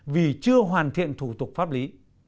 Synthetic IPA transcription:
vi˨˩t͡ɕɨ˧əɦwaː˨˩nt̪ʰḭ˧˨ənt̪ʰu˧˩t̪ʊ˨˩k̚faː˦˥p̚li˨˦

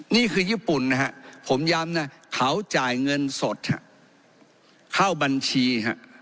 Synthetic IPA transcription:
niː˥˩kʰɯː˧jiː˥˩pu˨˩nːa˦˥ɦa˦˥ʔpʰo˩˦mjaː˧mna˦˥˩kʰa˦˥wt͡ɕaː˨˩jŋɤ˧nso˨˩t̪̚ha̰˧˦ʔ | kʰa˥˩wba˧nt͡ɕʰiː˧ɦa̰˧˥ʔ

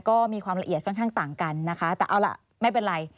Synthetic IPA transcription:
kɔː˥˩miː˧kwaː˧mɾa˧ʔi˨˩ət̪̚ʰɔ˥˩nkʰaː˥˩ŋt̪aː˨˩ŋka˧nːa˦˥kʰa˦˥t̪ɛː˨˩ʔa˧wla̰˨˩ | ma˥˩jpe˧nɾa˧j

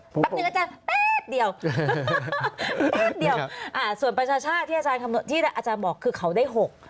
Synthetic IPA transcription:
a˦˥˧ʔa˧t͡ɕaː˧npeː˦˥t̪̚di˧əw | eː˥˩t̪̚di˧əwʔaː˧˩su˨˩ənpɾa˧t͡ɕʰaː˧t͡ɕʰaː˥˩t̪ʰːiː˥˩˨aː˧t͡ɕaː˧nkʰa˧mn˨˩˦t̪ʰiː˥˩ɾa˦˥˩ʔaː˧t͡ɕaː˧nbɔː˨˩kʰːɯː˧kʰa˩˦wda˥˩jɦo˨˩k̚

